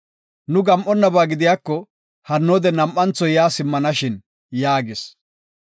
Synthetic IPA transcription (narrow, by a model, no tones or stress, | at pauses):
nʊɡɐmʔɔnːɐbaːɡɪd̪ɪjaːkːɔ | hɐnːoːd̪ɛnɐmʔːɐnt͡sɔjaːsɪmːɐnɐʃɪn | jaːɡɪs